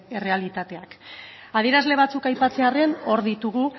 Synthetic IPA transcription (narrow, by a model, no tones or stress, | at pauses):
ere̞alit̪at̪e̞ak | að̞ie̞ɾazle̞β̞at͡sukajpat͡se̞are̞no̞ɾðit̪uɣ̞u